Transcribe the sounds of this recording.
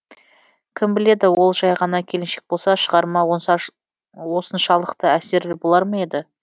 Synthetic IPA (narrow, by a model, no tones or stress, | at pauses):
kʲʰɪmbɪle̞d̪ɪwo̞lˠʒɑjʁɑnɑkʲʰe̞lɪnʃe̞k̚bo̞lˠsɑʃəʁɑɾmɑ | wo̞sənʃɑlˠəqt̪əæse̞ɾɪbo̞lˠɑɾmɑe̞d̪ɪ